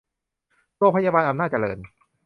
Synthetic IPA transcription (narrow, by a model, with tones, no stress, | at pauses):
ɾoː˧ŋpʰa˧jaː˧baː˧nʔa˧mnaː˥˩t̪̚t͡ɕa˧lɤ̰ː˧n